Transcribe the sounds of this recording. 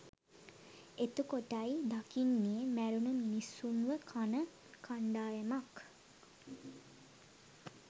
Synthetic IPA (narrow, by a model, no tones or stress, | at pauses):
et̪əkoʈajd̪akinːijəmæɾunəminisunʋəkʰanə | kʰaɳɖaːjemak